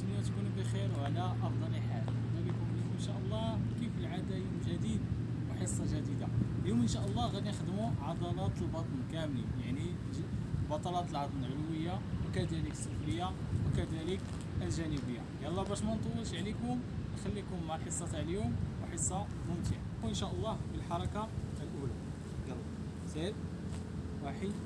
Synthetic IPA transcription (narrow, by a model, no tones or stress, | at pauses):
ənjæt̪kunbəxiɾwʕlæʔɑfd̪ˤɑləħalwæd̪ælikʊbiʔənʃæʔəlˤːɑkifəlʕad̪æjmʒæd̪id̪̚ | wəħəsˤːɑʒæd̪id̪aljumʔənʃæʔəlˤːɑɣæd̪inəxd̪muʕɑd̪ˤɑlɑt̪əlbɑt̪ˤnkæmlijaʕni | bɑt̪ˤɑlɑt̪əlʕɑt̪ˤnlʕəlwəjːawəkæd̪æləksˤofɾəjːa | wəkæd̪ælək | əlʒænəbəjːajælˤːɑbæʃmænt̪ˤuwəlʃʕlikʊmʔxælːikʊmːaħəsˤːɑt̪aʕlijʊmwəħəsˤːɑ | mʊmt̪əʕ | ənʃæʔəlˤːɑhbəlħɑɾˤɑkaəlʔula | ɡɑlˤː | sˤed | wɑħi